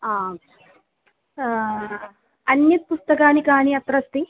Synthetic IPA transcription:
aː | ɐnjɐt̪̚pust̪ɐkaːnikaːniɐt̪ɾɐst̪i

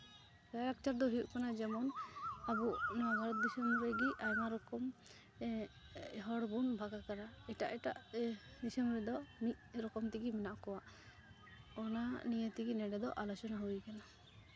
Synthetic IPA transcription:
ɾaɾak̚t͡ʃaɾd̪ɔɦiuʔkanad͡ʒɛmɔnabuʔnɔwabʱaɾɔt̪̚d̪isɔmɾɛɡiʔajmaɾɔkɔm | ɦɔɽbunbʱaɡakanaɛʈaʔɛʈa̰ʔd̪isɔmɾɛd̪ɔmit̚ɾɔkɔmt̪iɡimɛnaʔkɔwa | ɔnanijət̪iɡinɛɖɛd̪ɔʔalɔt͡ʃɔnaɦujkana

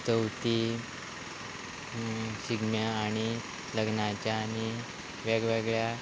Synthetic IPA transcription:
t͡səwt̪i | ɕiɡmjaːɽ̃i | ləɡnat͡ɕjaːni | ʋeɡʋeɡɭja

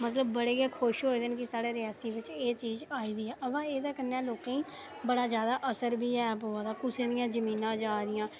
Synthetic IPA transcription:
mət̪ləbːəɽeːɡeːkʰoːʃɦoːid̪ɪnkɪsaːɽeːɾɪjaːsiːʋɪt͡ʃeːt͡ʃiːzaːiːd̪iːɛːʔəpãːeːd̪aːkənːɛːloːkãːĩː | bəɽaːzjaːd̪aːʔəsəɾbiːɛːpoːaːd̪aːkʊsẽːd̪ɪjãːzəmĩːnãːd͡ʒaːd̪ɪjãː

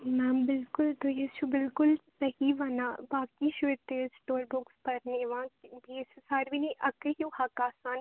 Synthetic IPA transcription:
mɛmbɪlkʊlt̪ojet͡ʃubɪlkʊlsɐɦiʋɐnabaːkiʃet̪esʈoːɾbʊkspɐɾneːʋãːbiːssaːɾʋiniʔɐkəɦjuhaːkaːsaːn

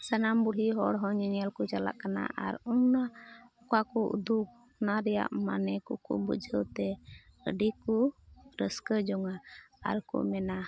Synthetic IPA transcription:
sanambuɽɦiɦɔɽɦɔɲɛɲalkɔt͡ʃala̰ʔkana̰ʔa̰ɾunaɔkakɔʔṵd̪uk | naɾɛja̰ʔma̰nɛkɔkṵbə̰d͡ʒʱəwt̪ɛə̰ɖikɔɾəskəd͡ʒɔŋa | a̰ɾkɔ̰mɛna

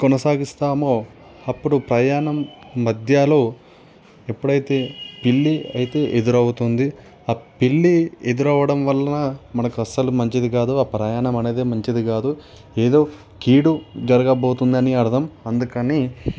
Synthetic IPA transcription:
kɔnɐsaːɡist̪aːmoː | ɐpːuɽupɾɐjaːnɐmːɐd̪ʱjaːlo̞ː | epːuɽɐjit̪e̞ːpilːiɐjit̪e̞ːʔed̪uɾɐwut̪und̪i | aːpilːied̪uɾɐʋɐɽɐmʋɐlːɐnɐmɐnɐkuɐsɐlumɐɲt͡ʃid̪iɡaːd̪uaːpɾɐjaːɳɐmɐne̞ːd̪e̞ːmɐɲt͡ʃid̪ikaːd̪u | eːd̪o̞ː | kiːɽud͡ʒɐɾɐɡɐboːt̪und̪ɐniɐɾɐd̪ʱɐmɐnd̪ukɐniː

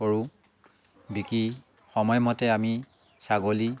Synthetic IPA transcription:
oɹu | biki | xɔmɔjmɔtɛami | saɡoli

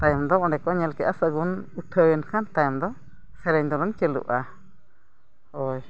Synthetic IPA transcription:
t̪ajɔmd̪ɔɔɳɖɛkɔɲɛlkɛʔasəɡunuʈʰəjənkʰant̪ajɔmd̪ɔ | sɛɾɛɲd̪ɔlɔnt͡ʃəlṵʔa | ɔj

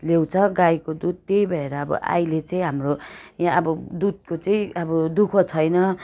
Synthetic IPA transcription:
lew̃t͡sʰʌɡajkod̪ud̪̚t̪ejbʱʌeɾʌːbʌ̰ʔa̰jlet͡saĩɦamrojãʌbʌd̪ud̪̚kot͡saĩʌbʌd̪ukʰʌt͡sʰʌjnʌ

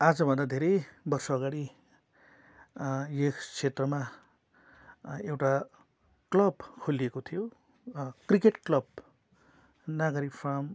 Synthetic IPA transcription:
ad͡zʌbʱʌnd̪ad̪ʱeɾʌjbʌrsʌːɡaɽi | jet͡sʰet̪rʌma | ewʈa | klʌbkʰoliekot̪ʰijo | krikeʈklʌb | naɡʌɾikpʰrʌm

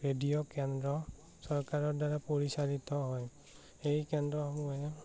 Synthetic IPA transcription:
ɹedijokɛndɹɔ | sɔɹkaɹɔɹdaɹapoɹisalit̪ɔɦɔj | ejkɛndɹɔhɔmuaɛ

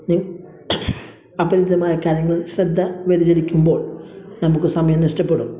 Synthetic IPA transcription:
ni | ɐbɐɾid̪ɐmaːjɐkaːɾjɐŋːɐɭɕɾɐd̪ːɐʋed̪id͡ʑɐlikʲːumbo̞ːɭnɐmukːɨsɐmɐjɐmniʂtɐpːeɽum

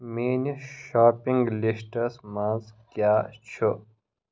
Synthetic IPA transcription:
meːniʃaːpĩŋɡlisʈɐsmãːzkjaːt͡ɕʰu

